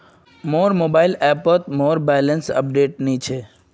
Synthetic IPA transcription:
moːɾmoːbaɪlɛpət̪moːɾbɛlənsə̰p̚ɖeːʈnit͡ʃʰe

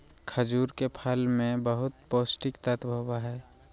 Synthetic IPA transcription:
kʰəd͡ʒuːɾkepʰalmẽbəɦʊt̪poːsʈɪkt̪ət̪bʱəbaɦɛː

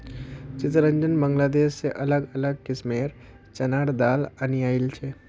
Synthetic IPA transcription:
t͡ʃɪt̪ɾə̃ɲd͡ʒənbɐ̃ŋɡlaːd̪eːʃsːeʔɐləɡɐləɡ̚kɪsmeːɾ | t͡ʃɐnaːɽd̪aːlənijaːɪlt͡ʃʰeː

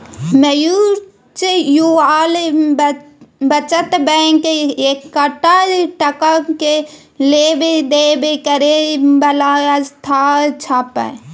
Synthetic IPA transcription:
mɐju | t͡ʃejuaːle | bɐt͡ʃɐt̪bɛŋkeekːɐʈaʈɐkake | lebed̪eːbekɐɾebɐlaːjast̪ʰaːt͡ʃʰaːpa̰

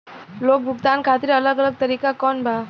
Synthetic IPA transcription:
loːk̚bʱʊɡt̪ankʰat̪ɪɾələɡələɡ̚t̪əɾiːkakɔnbʱa

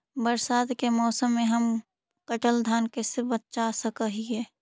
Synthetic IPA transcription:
bəɾsaːt̪kemɔːsəmːẽɦəm | kəʈəld̪ʱaːnkesebət̪̚t͡ʃasəkəɦiɦɛː

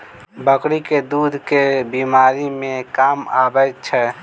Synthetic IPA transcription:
bəkɾiked̪ud̪ʱkebimaɾimẽkama̰bət̪̚t͡ʃʰɛ

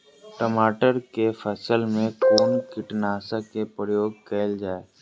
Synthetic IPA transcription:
ʈəmaːʈəɾkefʰɛsəlmẽkoːnkɪʈnaːsakepɾəjoːɡ̚kɛːld͡ʒaːeː

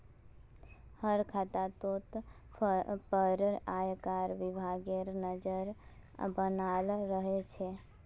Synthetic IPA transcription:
həɾkʰat̪at̪ot̪ | pəɾajkaɾʋɪbʱaɡeɾnəd͡ʒəɾbənalːəɦet͡ʃʰe

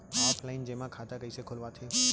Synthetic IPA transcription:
ɛːplaɪnd͡ʒeːmãkʰaːt̪akəisekʰʊlʋat̪ʰeː

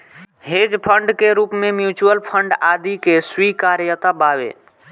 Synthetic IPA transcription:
ɦed͡ʒpʰəɳɖkeɾupmemjut͡ʃuəlpʰəɳɖad̪ikeswikaɾjət̪ababḛ

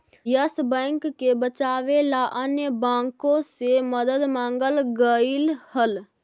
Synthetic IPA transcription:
jəsbə̃ŋkːebət͡ʃaːʋelaʔənjəbãːŋkõseməd̪əd̪mãːŋɡəlɡəilhəl

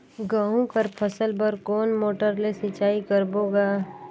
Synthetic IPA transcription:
ɡaːɦũkəɾpʰəsəlbəɾkoːnmoːʈəɾlesɪt͡ʃaːikəɾboːɡaː

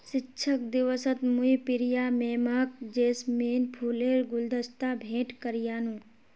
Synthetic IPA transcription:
ʃɪtːʃʰək̚d̪ɪʋəsət̪muipɪɾijaːmeːmaːk̚d͡ʒeːsmeːnpʰuleːɾɡʊld̪əst̪aːbʱẽːʈkəɾjaːnũː

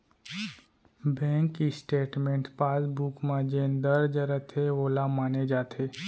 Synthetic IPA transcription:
bɛ̃ŋkːisʈeːʈmẽːɳʈpaːsbukmãd͡ʒend̪əɾd͡ʒəɾət̪ʰeolamaːned͡ʒaːt̪ʰe

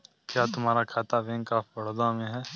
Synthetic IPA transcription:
kjaːt̪ʊmɦaːɾakʰaːt̪aʋẽːŋkaːfɐɽd̪amẽɦɛː

